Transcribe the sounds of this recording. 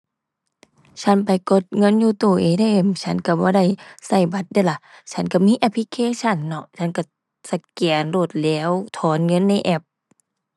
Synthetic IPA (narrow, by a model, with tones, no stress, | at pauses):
t͡ɕʰa˧˥˨npa˨jko˧˦t̪̚ŋɤ˧˥˨njuː˧˦t̪oː˧˩ʔeː˧˨da˧˨jʔe˧˩mt͡ɕʰa˧˥˨nka˧˩bɔː˧˦da˧˥˩jsa˧˩jba˧˦t̪̚da˧˨jla˧˦t͡ɕʰa˧˥˨nka˧˩miː˧˥˨ʔɛ˧˥pʰli˧kʰeː˧˥˨t͡ɕʰa˧˥˨nːɔ˧˩t͡ɕʰa˧˥˨nka˧˩ | sa˧˩kɛː˨˩nloː˧˩t̪̚lɛː˧˥˨wt̪ʰɔː˨˧˦nŋɤ˧˥˨nːa˧˥˨jʔɛ˧˩p̚